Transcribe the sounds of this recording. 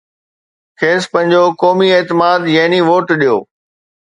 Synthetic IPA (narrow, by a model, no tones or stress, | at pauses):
kʰeːspɐ̃ɦɪ̃ɲd͡ʑokɔːmieːt̪ɪmaːd̪jɐɦɪniʋoːʈɗijo̰ː